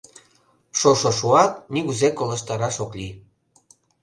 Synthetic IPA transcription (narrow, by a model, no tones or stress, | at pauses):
ʃoʃoʃuɑt̪̚niɣuzekolə̆ʃt̪ɑɾɑʃokli